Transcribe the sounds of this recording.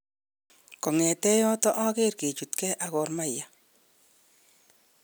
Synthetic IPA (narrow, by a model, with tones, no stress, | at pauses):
kɔ˨ŋɛ˨tɛ˦jɔ˦tɔ˦ʔa˦ke˦rke˨t͡ʃu˨tkɛ˦ʔa˨ɣɔ˨rma˦ja˨